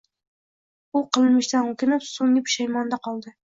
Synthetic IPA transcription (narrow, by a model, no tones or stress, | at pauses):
ʊqʰɨlˠɨnmɪʃt̪anokʲʰɪnɪpsoŋʲɪpʃajmɑnd̪aqʰɒlˠd̪ɪ